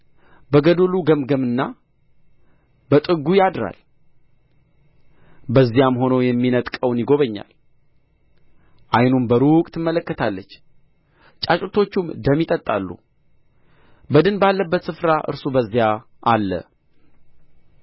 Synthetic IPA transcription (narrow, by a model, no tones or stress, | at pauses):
bəɡəd̪oluɡəmɡəmɨnːa | bət̪ʼɨɡujad̪ɾa̰l | bəzːijamho̞nəwjɛmːinət̪ʼkʼəwnjɪɡo̞βəɲːa̰l | ʔajnumbəɾukʼt̪ʰɨmːələkːət̪ʰalːət͡ʃː | t͡ʃʼat͡ʃʼut̪ʰo̞t͡ʃːumd̪əmːit̪ʼət̪ʼːalːṵ | bəd̪ɨnbalːəbːət̪sɨfɾaʔɨ̰ɾsubəzːija | ʔalːə̰